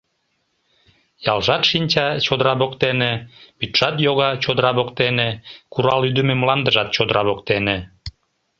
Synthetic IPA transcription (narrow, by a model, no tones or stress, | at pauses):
jɑlʒɑt̪ʃinʲt͡ɕɑt͡ɕod̪əɾɑβokt̪enepyt̪ʃɑt̪joɣɑt͡ɕod̪əɾɑβokt̪enekuɾɑlyd̪əmemlɑnd̪əʒɑt̪̚t͡ɕod̪əɾɑβokt̪ene